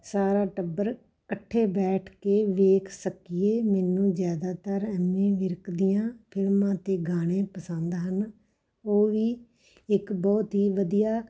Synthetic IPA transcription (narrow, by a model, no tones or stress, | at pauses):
saːɾaːʈəbːəɾ | kəʈʰːeːbɛːʈʰkeːʋeːksəkɪjeːmɛːnũːzjaːd̪aːt̪əɾɛːmẽːʋɪɾkd̪ɪjãːpʰɪlmãːt̪eːɡaːɽ̃ẽːpəsə̃nd̪ɦən | oːʋiː | ɪkbɔːt̪ɦiːʋəd̪ijaː